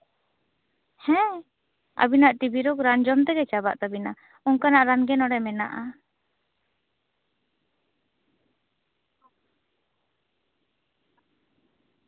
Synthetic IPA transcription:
hɛ̃ | a̰binaʔʈibiɾɔkɾand͡ʒɔmt̪ɛɡɛt͡ʃaba̰ʔt̪abina | uŋkanaʔɾanɡɛnɔɽɛmɛna̰ʔa

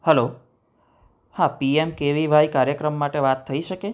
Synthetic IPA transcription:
həlo | hãpiemkeʋiʋaikaɾjəkɾəmːaʈeʋat̪ʰːəiʃəke

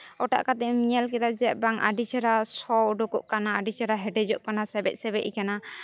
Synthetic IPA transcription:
ɔʈa̰ʔkat̪ɛmiɲalkɛd̪ad͡ʒɛɛʔ̚baŋa̰ɖit͡ʃɛɾasɔɖɔkɔʔkanaːɖit͡ʃɛɾaɦɛɖɛd͡ʒɔʔkanasɛbɛt̪̚sɛbɛʔikana

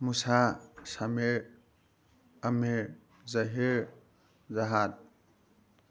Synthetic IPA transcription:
musasame | ame | zaɦe | zaɦat̪̚

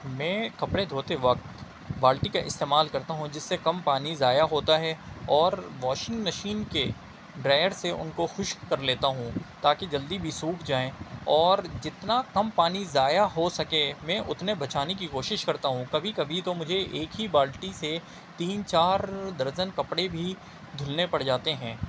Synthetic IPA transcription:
mɛ̃ːkɐpɽed̪ʱoːt̪eʋɐk̚t̪ | baːlʈikaʔɪ̰st̪eːmaːlkɐɾt̪aɦũd͡ʒɪsːekɐmpaːnizaːjaɦoːt̪aɦɛɔːɾʋɔːʃɪ̃ŋɡmɐʃiːnke | ɖɾaːjəɾseʔʊ̰nkoxʊʃkɐɾleːt̪aɦũt̪aːked͡ʒɐld̪ibʱisuːkʰd͡ʒaːẽːɔːɾd͡ʒɪt̪nakɐmpaːnizaːjaɦosɐkemɛ̃ːʔʊt̪nebɐt͡ʃaːnek̬ikoːʃɪʃkɐɾt̪aɦũkɐbʱikɐbʱit̪omʊd͡ʒʱeʔeːkɦibaːlʈise | t̪iːnt͡ʃaːɾd̪ɐɾzənkɐpɽebʱi | d̪ʱʊlnepɐɽd͡ʒaːt̪eɦɛ̃ː

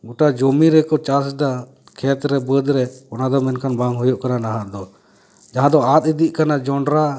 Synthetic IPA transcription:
ɡuʈad͡ʒɔmiɾɛkɔt͡ʃasd̪a | kʰɛt̪ɾɛbəd̪ɾɛɔnad̪ɔmɛnkʰanbaŋɦujuʔkaɾanaɦaʔd̪ɔ | d͡ʒaɦãd̪ɔat̪̚id̪iʔ̚ˀkanad͡ʒɔɳɖɾa

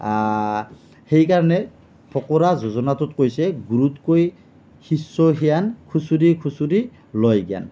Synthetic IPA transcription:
a | hejkaɹɔnɛ | pʰɔkɔɹazozɔnatʊtkojsɛɡuɹutkoj | hisːɔɦijankʰusudikʰusudi | lojɡia̰n

